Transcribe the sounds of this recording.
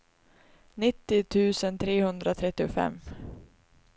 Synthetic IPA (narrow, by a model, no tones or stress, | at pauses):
nɪt̪ːɪt̪ʰʉ̟ːsənt̪ʰɾeːhɵnd̪ɾat̪ʰɾɛt̪ːɪʊfɛ̰mː